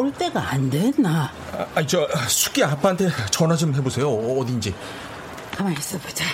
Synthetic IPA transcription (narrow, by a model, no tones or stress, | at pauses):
oɭt͈e̞ɡaandenːa | it͡ɕ͈ʌsʰu̥k͈̚iapʰaantʰe̞t͡ɕʌnad͡ʑomɦe̞bosʰe̞joːdind͡ʑi | kamaɭs͈ɯbod͡ʑo